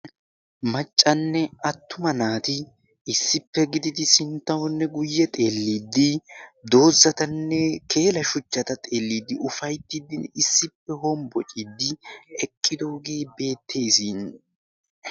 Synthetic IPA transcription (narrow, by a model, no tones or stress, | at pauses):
mɐt͡ʃʼːɐnːɛɐt̪ːʊmɐnaːt̪ɪ | ɪsːɪpːɛɡɪd̪ɪd̪ɪsɪnt̪ːɐwɔnːɛɡʊjːɛt̪ʼe̞ːlːiːd̪ːɪd̪o̞ːzːɐt̪ɐnːɛkʰe̞ːlɐʃʊt͡ʃːɐt̪ɐt̪ʼe̞ːlːiːd̪ːɪʔʊfɐjt̪ːɪd̪ɪnɪsːɪpːɛɦɔmbɔt͡ʃʼid̪ːɪɛkʼːɪd̪o̞ːɡeːbe̞ːt̪ʰːe̞ːsiːn